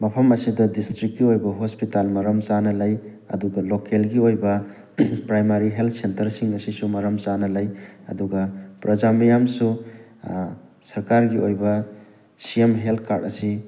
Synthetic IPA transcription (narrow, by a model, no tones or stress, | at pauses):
mɐpʰɐmɐsidɐdistɾikːiojbɐɦospitalmɐɾɐmt͡ʃanɐlɐj | ɐ̰duɡɐlokelɡiojbɐ | pɾajmaɾiɦelt̪̚ʰsentɐɾsiŋɐsisumɐɾɐmt͡ʃanɐlɐjɐ̰duɡɐpɾɐd͡ʒamɐjamsu | sɐɾkaɾɡiojbɐ | siemɦelt̪̚ʰkʰaɾdɐsi